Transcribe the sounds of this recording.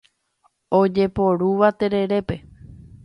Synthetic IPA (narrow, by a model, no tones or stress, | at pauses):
od͡ʒe̞po̞ɾuʋat̪e̞ɾe̞ɾe̞pe̞